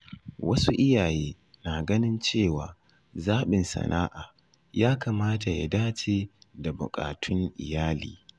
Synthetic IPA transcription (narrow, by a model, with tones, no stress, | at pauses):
wɐ˦su˦ʔɪ˦jaː˨jeː˦ | naː˨ɡɐ˦nɪ˦nt͡ʃeː˦˨waː˨ | zaː˦ɓɪ˨nsɐ̰˨nʔa̰ː˦ʔaː˨ | jaː˦kaː˨maː˦ta˨ja̰˨daː˦t͡ʃeː˨da˨bʊ̰˨kʼa̰ː˨tʰʊ˦ŋʔɪ˨jaː˦lḭː˨